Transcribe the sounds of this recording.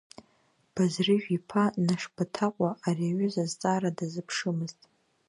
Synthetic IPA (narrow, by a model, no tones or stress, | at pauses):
b̥azrɨʒᶣipʰanaʂbatʰaqʷʼaʔːriaɥʊzazt͡sʼaːɾadazɨpʰʂɨmɨztʼ